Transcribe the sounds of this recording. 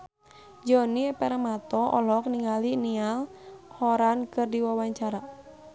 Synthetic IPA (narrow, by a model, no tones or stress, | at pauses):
d͡ʒɔniɛpɛɾamat̪ɔʔɔlɔk̚niŋalinialhɔɾankɨrdiwawaɲt͡ʃaɾa